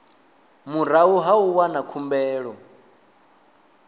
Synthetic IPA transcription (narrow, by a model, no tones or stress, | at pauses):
muɾ̤auɦauwanakʰumbɛːɺɔ